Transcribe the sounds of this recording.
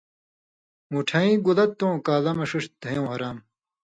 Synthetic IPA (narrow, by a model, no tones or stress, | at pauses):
muʈʰaːĩːɡulɐt̪̚ːõːkaːlɐmɐʂuʂd̪̥ʱɐjõːhɐɾaːm